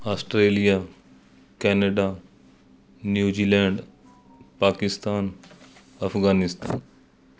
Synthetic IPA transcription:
aːsʈɾeːlija | kɛːnəɖa | njuːd͡ʒiːlɛ̃ːɳɖ | paːkɪst̪aːn | ɐfɡaːnɪst̪a̰ːn

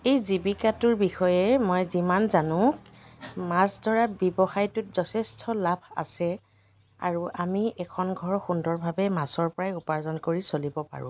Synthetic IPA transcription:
ejzibikatʊɹbixɔjɛmojzimanzanʊ̃k | masdʱɔɹabjɔbɔxajtʊtz̥ɔtʰɛstʰɔlabʱa̰sɛ | a̰ɹuʔamiʔɛkʰɔnɡʱɔɹxundɔɹbʱabɛmasɔɹpɔɹajupaɹzɔnkoɹisolibɔpa̰ɹʊ̰̃

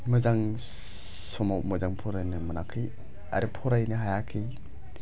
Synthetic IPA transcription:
mɯzaŋ | sɔmawmɯzaŋpʰɔɾajnɯmɯnakʰːɯj | a̰ɾɯpʰɔɾajnɯɦajakʰij

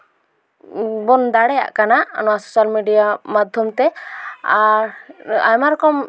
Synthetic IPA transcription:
bɔnd̪aɽɛja̰ʔkana̰nɔwasɔsalmiɖijamad̪ʱjɔmt̪ɛaɾa̰jmaɾɔkɔm

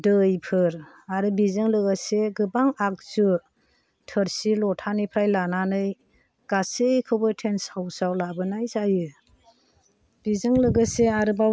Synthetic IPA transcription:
dɯjpʰɯɾ | aɾɯbizɯŋlɯɡɯseɡɯbaŋak̚zɯ | tʰəɾsilɔtʰanipʰɾajlananɯj | ɡ̥asekʰɯwbɯtʰensawsawlabɯnajzajɯ | b̥izɯŋlɯɡɯseaɾɯba

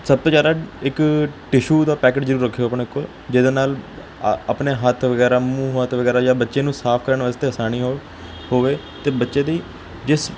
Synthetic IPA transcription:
səb̚t̪oːd͡ʒjaːd̪aːɪkʈɪʃuːd̪aːpɛːkɪʈzəɾuːɾəkʰːjoəpɳeːkol | d͡ʒɪd̪eːnaːl | əpneːɦət̪ʰʋəɡɛːɾaːmũːɦət̪ʰʋəɡɛːɾaːd͡ʒãːbətːʃeːnũːsaːpʰkəɾəɳʋəːst̪eːɦəsaːñiːɦo | hoːʋeː | t̪eːbətːʃẽːd̪iː | d͡ʒɪs

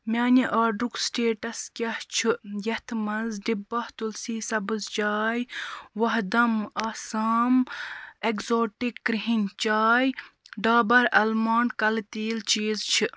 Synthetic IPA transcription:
mʲaːnʲiʔaːɖuksʈeːʈɐskʲɐht͡ʃʰɨjɐht̪ʰmɐnzɖibɐht̪ulsiːsɐbɨzt͡ʃaːjʋɐɦd̪ɐmɐːsaːmekzoːʈikːɾiɦinʲt͡ʃaːjɖaːbɐɾɐlmaːnkɐlt̪iːlt͡ʃiːzt͡ʃʰi

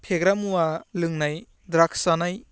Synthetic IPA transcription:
pʰeɡɾamuwalɯŋnaj | dɾakʰsanaj

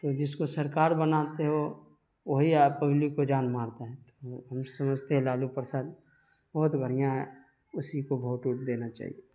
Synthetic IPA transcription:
t̪oːd͡ʒɪskosɐɾkaːɾbənaːt̪eɦo | ʋoɦiapəblɪkːod͡ʒaːnmaːɾt̪aɦɛt̪oɦɐmsɐməd͡ʒʱt̪eɦɛ̃laːlupɾəsaːd̪ | bɐɦʊt̪bʱəɽ̤ijaɦɛ | ʊsikobʱoɦːt̪uːʈ̚d̪eːnat͡ʃa̰ːɦḭe

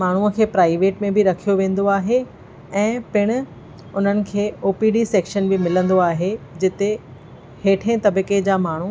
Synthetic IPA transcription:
maːɳ̤uəkʰeːpɾaːɪʋeːʈmẽbɪɾɐkʰijoʋẽːn̆d̪oaːɦe | ɛ̃ːpɪɽ̃ʊ̆ | ʊn̤ənɪ̆kʰeːoːpiːɖiseːkʃənbɪmɪlə̃nd̪oaːɦed͡ʑɪt̪e | heːʈʰẽt̪ɐbɪked͡ʑaːmaːɳ̤u

